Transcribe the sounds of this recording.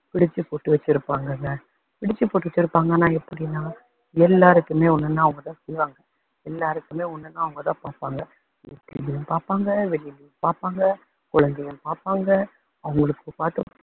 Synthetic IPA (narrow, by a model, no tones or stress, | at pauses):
pɪɽɪt͡ʃːɯpoːʈːɯʋɐt͡ʃːɪɾɯpːaːŋɡɐŋɡɐ | pɪɽɪt͡ʃːɯpoːʈːɯʋɐt͡ʃːɪɾɯpːaːŋɡɐnaːɛpːɐɽɪnaː | ɛlːaːɾɯkːɯmeːɔnːɐnːãːɐʋɐŋɡɐt̪ãːsɛjʋaːŋɡɐ | ɛlːaːɾɯkːɯmeːɔnːɐnːaːɐʋɐŋɡɐt̪ãːpaːɾpaːŋɡɐ | ɛ̰t̪ːɪlɪjɯmpaːɾpaːŋɡɐʋɛlɪjɪlɪjʊmpaːɾpaːŋɡɐ | kɔɻɐnd̪ɛjɯmpaːɾpaːŋɡɐ | ɐʋɐŋɡɐɭɯkːɯpaːɾt̪ɯ